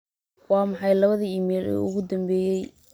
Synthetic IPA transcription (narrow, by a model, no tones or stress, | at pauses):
wɑːmɑħɑjlɐβɐðiiːmɛːlɛ̰ːʊ̰ɣʊd̪ɐmbɛːjɛj